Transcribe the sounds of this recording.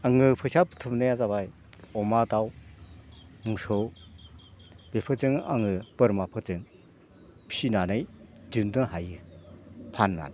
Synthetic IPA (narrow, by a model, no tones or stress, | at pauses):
aŋɯpʰɯsʰaptʰɯmnɯjazabaj | ɔmadaw | muŋsow | b̥epʰɯt͡sɯŋa̰ŋɯpɯɾmapʰɯt͡sɯŋ | pʰinanɯjd͡ʒɯndɯhajɯ | pʰanːa̰n